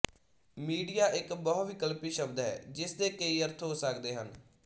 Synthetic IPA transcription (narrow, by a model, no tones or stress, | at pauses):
miːɖijaːʔɪkbɔːʋɪkəlpiːʃəbd̪ɦɛ̰ːd͡ʒɪsd̪eːkeiːəɾt̪ʰɦoːsəkd̪eːɦən